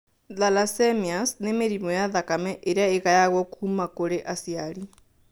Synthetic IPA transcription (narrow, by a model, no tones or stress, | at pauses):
ðalasɛmiasnemeɾimɔjaðakamɛʔeɾeaeɣajaɣwɔkumakoɾeʔasiaɾi